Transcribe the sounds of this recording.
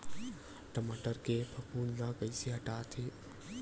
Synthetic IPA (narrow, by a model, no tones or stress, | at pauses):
ʈɐmaʈəɾkepʰɐkʰuːnzãːkəjsiɦɐʈaːt̪ʰeː